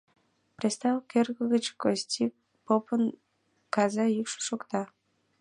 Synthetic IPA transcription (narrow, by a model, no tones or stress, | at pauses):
prʲest̪ɑvkerɣəɣət͡ɕkostʲi | popən | kɑzɑjykʃʃokt̪ɑ